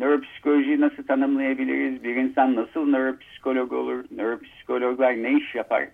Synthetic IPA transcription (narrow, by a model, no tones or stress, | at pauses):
nøɾo̞pʰi̥si̥kʰo̞lʲoʒijinasɯlˠt̪ʰanɯmlˠajabilʲḭɾizbiɾinsanːasɯlˠnøɾopʰi̥si̥kʰo̞lʲo̞ɡo̰lˠuɾnøɾopʰi̥si̥kʰo̞lʲoɡlˠaɾneiʃjapʰa̰ɾ̥